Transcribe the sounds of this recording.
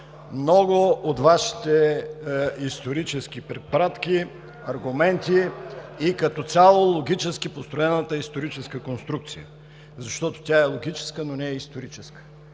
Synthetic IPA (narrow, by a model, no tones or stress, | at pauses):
mnɔɡʊot̪vaʃi̥t̪ɛ | ist̪oɾit͡ʃɛsk̟ipɾɛt̪̚pɐɾat̪ki | ɐɾɡʊmɛnt̪iikɐt̪ɔt̪sʲalˠolˠoɡʲit͡ʃɛskipost̪ɾoɛnət̪əist̪oɾit͡ʃɛskəkonst̪ɾuk̚t̪sijə̰ | zɐʃt̪ɔt̪o̥t̪ʲjaɛlˠoɡʲit͡ʃɛ̥skənonɛɛist̪oɾit͡ʃɛskə̥